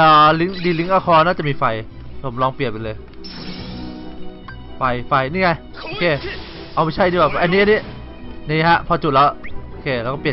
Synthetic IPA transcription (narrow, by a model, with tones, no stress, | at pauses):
ʔaː˨˩li˦˥ŋdiː˧li˦˥ŋʔaː˧kʰɔː˧naː˥˩t͡ɕa˨˩ʔmiː˧fa˧j | pʰo˩˦mlɔː˧ŋpli˨˩ət̪̚pe˧nlɤː˧j | fa˧jfa˧jniː˥˩ŋa˧j | ʔoː˧kʰeː˧ | ʔa˧˩wma˥˩jt͡ɕʰa˥˩jniː˧˥bɛː˨˩˧ʔa˧nːi˦˥a˧nːi˦˥˨ | niː˦˥˧ɦa˦˥pʰɔː˧t͡ɕu˨˩t̪̚lɛː˦˥wʔoː˧˩kʰeː˧˩lɛ˧˥wkɔː˥˩pi˨˩